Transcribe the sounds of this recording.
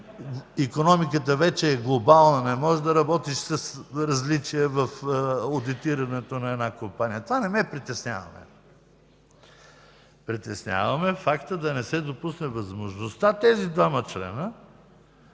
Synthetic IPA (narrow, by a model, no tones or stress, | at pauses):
ikonɔmikət̪̬əvɛt͡ʃɛːɡlˠobalˠnɐnɛmɔʒɛd̪ɐɾɐbɔt̪iʃsɐsɾɐzlit͡ʃijɛvɐfod̪it̪iɾɐnɛt̪onɐɛd̪nakompanijət̪ovanɛmɛpɾit̪ɛsnʲa̰vɐ̰mɛ̰ | pɾit̪ɛsnʲja̰vɐmɛfakt̪əd̪ɐnɛsɛd̪opusnɛvɐzmoʒnost̪at̪ɛzid̪vamɐt͡ʃlɛ̰nə